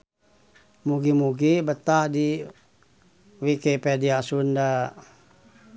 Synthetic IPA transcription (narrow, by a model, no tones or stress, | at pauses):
muɡimuɡibət̪ahdi | wikepediasunda